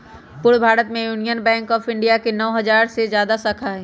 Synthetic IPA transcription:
pʊɾbʱaːɾət̪mẽjuːnijənbɛ̃ːŋkɔːfɪ̃ɳɖijakenɔːɦɐzaːɾsezjaːd̪asɐkʰaɦɛː

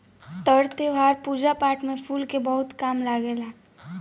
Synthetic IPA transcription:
t̪əɾt̪eʋʱaɾpud͡ʒapaʈmepʰulkebəɦʊt̪kamlaɡela

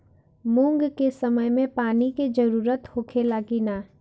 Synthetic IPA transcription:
mũŋɡkesəməjmẽpaːniked͡ʒəɾuːɾət̪hoːkʰelaːɡinaː

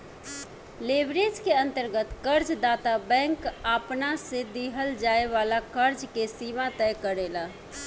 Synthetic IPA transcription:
lebɾed͡ʒkeənt̪əɾɡət̪kəɾd͡ʒd̪at̪abɛ̃ŋkapnased̪iɦəld͡ʒaeʋalakəɾd͡ʒkesimat̪ɛjkəɾela

